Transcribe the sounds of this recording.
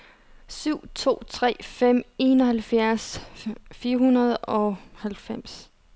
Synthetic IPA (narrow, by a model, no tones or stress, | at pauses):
syʊ̰t͡sʰo̝̰ːt͡sʰʁɛ̰ːfem̰e̝ːnɒ̽hælfjæɐs | fiːɐhunɐð̞ˠɒ̽hælfem̰s